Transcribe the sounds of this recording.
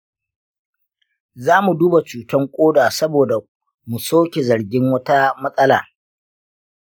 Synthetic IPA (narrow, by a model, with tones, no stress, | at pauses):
zaː˦mu˨duː˦ba˨t͡ʃuː˨tɐ˦ŋkʷʼoː˦daː˨sɐ˦boː˨da˨ | mu˨soː˦kʲe˨zɐ˨ɾɡʲɪ˦ŋwɐ˦ta˦mɐ˦sʼɐ˦la̰ː˨